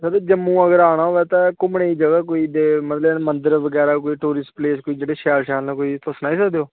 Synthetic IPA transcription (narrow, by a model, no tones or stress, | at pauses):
sad̪eːd͡ʒəmːũːəɡəɾaːɽ̃aːɦoːʋɛːt̪ãːkʊmɳeːiːd͡ʒəɡaːkoːiːd̪eːmət̪ləbmənd̪əɾʋəɡɛːɾaːk̬oːiːʈuːɾɪspleːskoːiːd͡ʒeːɽeːʃɛːlʃɛːlnãːkoːiːt̪ʊsnaːiːsəkd̪eoː